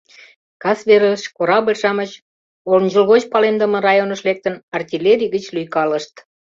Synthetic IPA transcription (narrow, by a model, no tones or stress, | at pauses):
kɑsβeɾəʃkoɾɑβerʃɑmət͡ɕ | olnʲd͡ʑulɣot͡ɕpɑlend̪əmə̆rɑjonəʃlek̚t̪ənɑrt̪ʲilʲeɾʲiɣət͡ɕlyjkɑləʃt̪